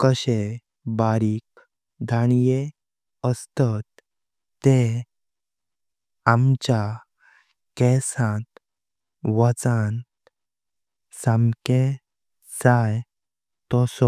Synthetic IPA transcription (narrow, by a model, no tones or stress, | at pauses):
kəɕe | baɾiːk | d̪ʱanje | əst̪at̪ː | e | amt͡ɕa | kɛsãt̪ | ʋət͡san | sãmke | saj | t̪ɔsɔ